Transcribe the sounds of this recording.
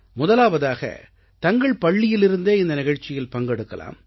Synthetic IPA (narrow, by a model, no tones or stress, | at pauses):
mʊðɐlaːʋɐðaːɣɐ̰ | t̪ɐŋɡɐɭpɐɭːɪjɪlɪɾɯnd̪eːɪnd̪ɐnɪɣɐɻt͡ʃːɪjɪlpɐŋɡɛɽɯkːɐla̰ːm